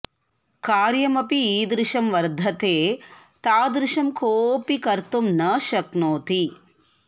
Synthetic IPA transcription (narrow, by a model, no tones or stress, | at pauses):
kaːɾjɐmɐpiiːd̪ɾɪʂɐmʋɐɾd̪ʱɐt̪eːt̪aːd̪ɾɪʂɐmkoːpikɐɾt̪umnɐʃɐknoːt̪i